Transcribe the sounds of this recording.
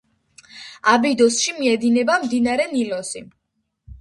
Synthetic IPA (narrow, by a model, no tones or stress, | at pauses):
abid̪ɔsʃimiɛd̪inɛbamd̪inaɾɛnilɔsi